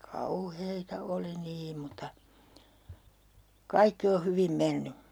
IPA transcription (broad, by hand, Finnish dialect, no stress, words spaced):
kɑuheitɑ oli niːm̆ mutɑ kɑikːi o hyʋim menːy